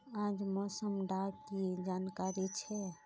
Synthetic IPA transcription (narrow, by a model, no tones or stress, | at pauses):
ãːd͡ʒmɔːsəmɖakied͡ʒaːnkaɾit͡ʃʰɛ